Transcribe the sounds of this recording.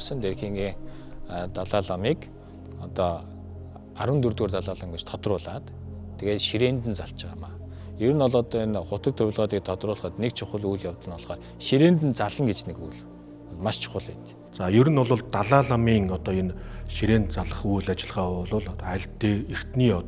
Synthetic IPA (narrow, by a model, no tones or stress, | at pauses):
sə̆nt̪erxiːŋɡiːŋ | t̪aɮaːɮamiːk | ɔt̪ɔ | aɾwə̆nt̪urt̪ɡoːrt̪aɮaːɮə̆ŋɡet͡ɕt̪ʰɔt̪rʊːɮaːt̪ʰːeɣeːt̪ʃiɾeːnt̪ɘ̆nt͡saɬt͡ɕɪʁaːmaː | jɵɾɘ̆nɔɮɔːt̪ːnχʊt̪ə̆k̚t̪ʰʊwʲɮʁɔːt̪iːk̚t̪ʰɔt̪rʊːɮχə̆t̪nekt͡ɕʰʊχə̆ɮujɮjawt̪ə̆nʊɮχɔːt | ʃiɾeːnt̪ɘ̆nt͡saɮə̆ŋɡet͡ɕneɡujɮ | maʃt͡ɕʰʊ̥χə̆ɮpɛt̪ | t͡sajɵɾɘ̆nʊɮʊɮt̪aɮaːɮamiːŋɔt̪ɔːenʃiɾeːnt̪̚t͡saɮə̆χujɮat͡ɕɪ̆ɮʁaːʊɮʊːɮt̪æ̆ɮt̪ːeːir̥t̪niːɔ